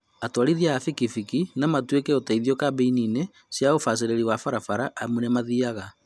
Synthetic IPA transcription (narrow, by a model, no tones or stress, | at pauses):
atwaɾiðjaafikifikinamatwekeotaiðiɔkabeinine | sjaofas̬eɾeɾiwafaɾafaɾaʔːmwunemaðiaɣa